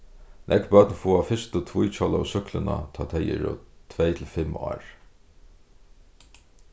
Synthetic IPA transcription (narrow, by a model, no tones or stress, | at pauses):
nʔɛkbœt̪nfuːafɪst̪ət̪ʰvujt͡ʃʰɔla̰sʏklɪna̰t̪ʰɑːt̪ʰɛjɪ̰ɾɔ̰t̪ʰvɛjt̪ʰɪlfɪmɑ̰ːɹ